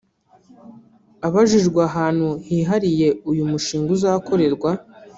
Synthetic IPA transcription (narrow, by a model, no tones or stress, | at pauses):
aβaʒiʒɡwaɦaːn̥huhiːɦaɾije̞ujumuʃiːŋɡuzaːko̞ɾe̞ɾɡwa